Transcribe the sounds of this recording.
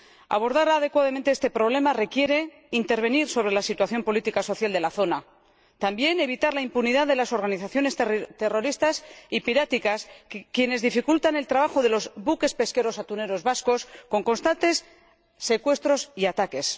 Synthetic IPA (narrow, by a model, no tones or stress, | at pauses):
a̰β̞o̞ɾðaɾaðe̞kwaðemẽ̞nt̪eest̪e̞pɾo̞β̞le̞mare̞kje̞ɾe̞ | int̪e̞ɾβ̞e̞niɾso̞βɾe̞lasit̪waθjo̞mpo̞lit̪ikaso̞θjald̪e̞laθo̞na | t̪ambje̞ne̞βit̪aɾlaimpuniðaðe̞laso̞ɾɣaniθaθjo̞ne̞st̪e̞ro̞ɾist̪asipiɾat̪ikaskje̞ne̞zðifikult̪ane̞lt̪ɾaβaxo̞ðe̞lo̞zbuke̞spe̞ske̞ɾo̞sat̪une̞ɾo̞zβasko̞sko̞ŋko̞nst̪ant̪e̞sː | e̞kwe̞st̪ɾo̞siat̪ake̞s